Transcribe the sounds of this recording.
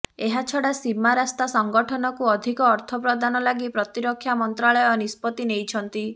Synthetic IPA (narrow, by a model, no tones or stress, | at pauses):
eɦat͡ʃʰɔɽasimaɾast̪asɔŋɡɔʈʰɔnɔkuɔd̪ʱikɔːɾt̪ʰɔp̬ɾɔd̪anɔlaɡipɾɔt̪iɾɔkʰːjamɔnt̪ɾaɭɔjɔnispɔt̪inejt͡ʃʰɔnt̪i